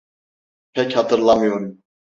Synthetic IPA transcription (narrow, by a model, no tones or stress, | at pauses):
pʰɛchɑt̪ʰɯɾlˠɑmɯjoɾum